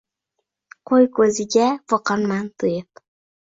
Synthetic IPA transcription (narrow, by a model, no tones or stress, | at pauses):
qʰojkʰɵzɪɡʲafɒqɑnmant̪ʰɨjɤp